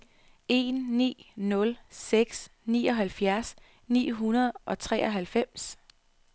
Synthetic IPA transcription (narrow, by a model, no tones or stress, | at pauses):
e̝nːḭːnɔ̽lseɡ̥snḭːɒ̽ɦælfjæɐs | nḭːɦunɐð̩ˠʔɒ̽t͡sʰʁɛ̰ːɒ̽ɦælfem̰s